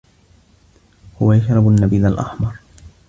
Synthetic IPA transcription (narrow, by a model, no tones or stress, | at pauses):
hʊwajaʃɾˤɑbanːabiːd̪alʔɑ̰ħmɑɾˤ